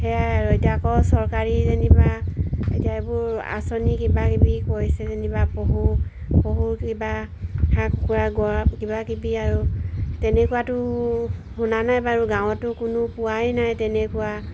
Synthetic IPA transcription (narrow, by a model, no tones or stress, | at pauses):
hɛaɹɔjdakɔsɔɹkaɹizenibaetiaebʊɹa̰sɔnikibakibikojsɛzenibapoɦu | poɦukibahakːuaɡɔakibakibiaɹutɛnɛkuwatʊ | hunanajbaɹuɡaw̃ɔtʊkʊnʊpuwajnajtɛnɛkuwa